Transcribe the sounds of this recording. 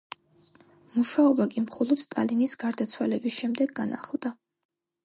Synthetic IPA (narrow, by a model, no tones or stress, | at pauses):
muʃaɔbakʼimχɔlˠɔd̪̥t̪ʼalinisɡ̥aɾd̪at̪sʰwalɛbisʃɛmd̪ɛɡːana̰χlˠd̪a